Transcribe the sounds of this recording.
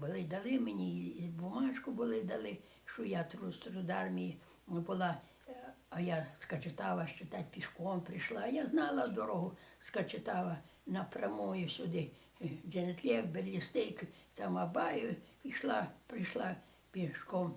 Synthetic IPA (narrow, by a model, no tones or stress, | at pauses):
bʊlˠɪd̪ɐlˠɪmenʲibʊmɑt͡ʃkʊbʊlˠɪd̪ɐlˠɪ | ʃt͡ʃɔjat̪ɾust̪ɾʊd̪ɑrmʲiji | bʊlˠa | ɐjaskɐt͡ʃɪt̪ɑʋɐʃt͡ʃɪt̪at̪ʲpʲiʃkɔmpɾɪʃlˠaːjaznɑlˠɐd̪ɔɾɔɦʊskɐt͡ʃɪt̪ɑʋɐ | nɐpɾʲɐmujʊsʲʊd̪ɪ | d͡ʒent̪ʲlʲɛkbelʲːist̪ɪjkt̪ɑmɐbɑjʊiʃlˠɑpɾɪʃlˠa | pʲiʃkɔm